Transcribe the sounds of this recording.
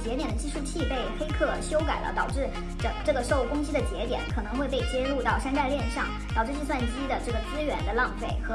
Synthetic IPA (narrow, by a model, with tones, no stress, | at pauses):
t͡ɕjɛ˧˥t̪jɛ˨˩nd̪ə˩t͡ɕʰi˧˥ʂɻ̩˧˥˧t͡ɕʰi˥˧pe˥˩ɪxe˥ɪkʰɤ˥˩ɕjo˥ʊka˨˩ɪlʔə̰˦t̪ɑ˨˩ʊʈ͡ʂɻ̩˥˩ | ʈ͡ʂə˧˩ʈ͡ʂɤ˥˩ɡə˩ʂʊkʊ˥ŋɕi˥d̪ə˨t͡ɕjɛ̰˧˥t̪jɛ̰˨˧˦nkʰɤ˨˩nɤ˧˥ŋxwe˥˧ɪpe˥˩ɪt͡ɕjɛ˥lu˥˧t̪ɑ˥˩ʊʂa˥nt͡sa˥˧ɪljɛ˥˧nʂɑ˥˩ŋ | t̪ɑ˨˩ʊʈ͡ʂɻ̩˥˩t͡ɕi˥˧swa˥˩nt͡ɕi˥d̪ə˨ʈ͡ʂɤ˥˩ɡə˩t͡sɹ̩˥ɥɛ˧˥nd̪ə˧lɑ˥˧ŋfe˥˩ɪxɤ˧˥